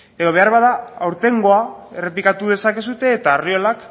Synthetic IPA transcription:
e̞ðo̞β̞e̞arβaðaawɾt̪e̞ŋɡo̞ae̞re̞plikat̪uð̞e̞sake̞sut̪e̞ːt̪aːriolak

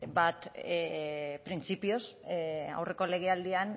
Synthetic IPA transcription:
bat̪ | pɾint͡sipiosa̰wre̞ko̞le̞ɣe̞ald̪ian

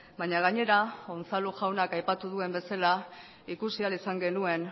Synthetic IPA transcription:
baɲaɣaɲe̞ɾao̞nt͡saluʝawnakajpat̪uðue̞mbe̞sala | ikusialisaŋɡe̞nue̞n

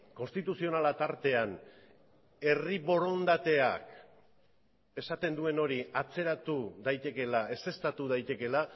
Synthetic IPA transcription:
ko̞nst̪it̪usio̞nalat̪aɾt̪e̞an | e̞riβo̞ɾo̞nd̪at̪e̞a̰k | e̞sat̪e̞nd̪ue̞no̞ɾiat͡se̞ɾat̪uðajt̪e̞ke̞lae̞se̞st̪at̪uðajt̪e̞ke̞la

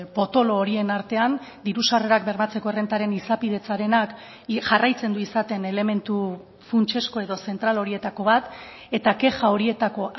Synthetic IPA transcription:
po̞t̪o̞lo̞ːɾie̞naɾt̪e̞and̪iɾusare̞ɾak̚be̞ɾmat͡se̞ko̞ere̞nt̪aɾe̞nisapiðe̞t͡saɾe̞nak | ʝarajt͡se̞nd̪uisat̪e̞ne̞le̞me̞nt̪u | funt͡ʃe̞sko̞e̞ðo̞se̞nt̪ɾalo̞ɾie̞t̪ako̞βat̪ | e̞t̪ake̞ʝao̞ɾie̞t̪ako̞

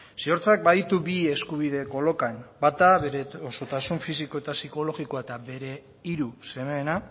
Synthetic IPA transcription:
sio̞ɾt͡sak̚baðit̪uβie̞skuβ̞ið̞e̞kolo̞kanbat̪aβeoso̞t̪asuɱfis̬iko̞et̪asiko̞lo̞ɣikoaet̪aβe̞ɾe̞ | iɾuse̞meːna

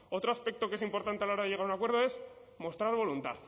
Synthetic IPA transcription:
o̞t̪ɾoaspe̞k̚t̪o̞keesimpo̞ɾt̪ant̪ealao̞ɾaðe̞ʝe̞ɣaɾunakwe̞ɾð̞o̞e̞smo̞st̪ɾaɾβ̞o̞lunt̪a̰θ

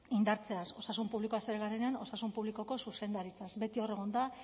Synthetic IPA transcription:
ind̪aɾt͡se̞aso̞sasumpuβlikoase̞ɾeɣaɾeneano̞sasumpuβliko̞ko̞suse̞nd̪aɾit͡sasbe̞t̪io̞re̞ɣ̞ond̪a

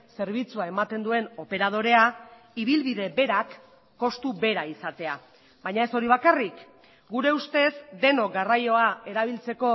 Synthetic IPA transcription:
se̞ɾβ̞it͡suae̞mat̪e̞nd̪ue̞no̞pe̞ɾað̞o̞ɾe̞a | iβ̞ilβiðe̞be̞ɾakː | o̞st̪uβe̞ɾaisat̪e̞a | βajɲae̞so̞ɾiβ̞akarik | ɡuɾe̞ust̪e̞zd̪e̞no̞ɡarajo̞ae̞ɾaβ̞ilt͡se̞ko̞

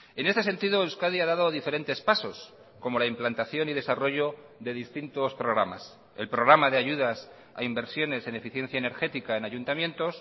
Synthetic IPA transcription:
e̞nest̪e̞se̞nt̪iðo̞ewskaðiaðaðo̞ðife̞ɾe̞nt̪e̞spaso̞s | ko̞mo̞laimplant̪aθjo̞nið̞e̞saro̞ʝo̞ | ðe̞ðist̪int̪o̞spɾo̞ɣɾama̰s | e̞lpɾo̞ɣɾamaðeaʝuðas | a̰imbe̞ɾsjo̞ne̞se̞ne̞fiθje̞n̟θjaene̞ɾxe̞t̪ikae̞naʝunt̪amje̞nt̪o̞s

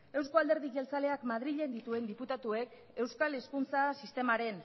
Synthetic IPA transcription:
e̞wsko̞ald̪e̞ɾðiɣe̞lt͡sale̞akmaðɾiʎe̞nd̪it̪ue̞nd̪iput̪at̪ue̞k | e̞wskale̞skunt͡sasist̪e̞maɾe̞n

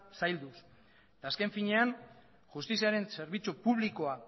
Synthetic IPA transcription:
sajld̪us | et̪aːske̞ɱfiɲe̞an | ʝust̪isiaɾe̞nse̞ɾβ̞it͡supuβ̞liko̞a

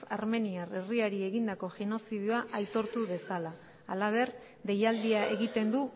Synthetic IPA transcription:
aɾme̞niare̞riaɾie̞ɣind̪ako̞ʝeno̞sið̞joaʔajt̪o̞ɾt̪uβe̞salaː | laβ̞e̞ɾ | d̪e̞jald̪iae̞ɣit̪e̞nd̪u

